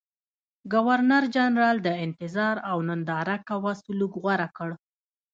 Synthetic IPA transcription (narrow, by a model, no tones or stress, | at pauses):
ɡawaɾnaɾd͡ʒanɾɑld̪əɪnt̪ɪzɑɾawnənd̪ɑɾakawasulukɣwaɾakəɽ